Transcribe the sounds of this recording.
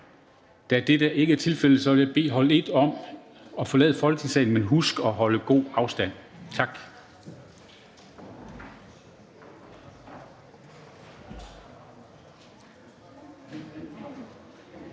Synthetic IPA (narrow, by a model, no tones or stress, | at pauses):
d̥æd̥ed̥æʔe̝ɡəæɐt͡sʰe̝lfel̰̩ˠsɒ̽ʋeljaɪb̥e̝̰ːɦɒ̽le̝d̥ɒ̽m̰ | ɒ̽fɒ̽lɛ̰ːð̞ˠəfɒ̽lɡə̥isɛ̰ɪn̩menɦusɡ̥ɒ̽ɦɒ̽ləɡ̥o̝̰ːɑ̈ʊsd̥æn̰t͡sʰɑ̈ɡ̥